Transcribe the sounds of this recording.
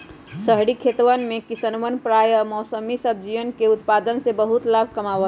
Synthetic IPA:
səɦɽikʰet̪ʋənmekisənʋənpɾajəmɔsəmisəb̚ʱd͡ʒiʋənkeut̪pad̪ənsebəɦut̪labʱkəmaʋə

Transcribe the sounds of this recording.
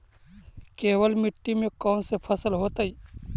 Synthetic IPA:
keːwəlmɪʈːimẽkɔːnsepʰəsəlɦoːt̪aiː

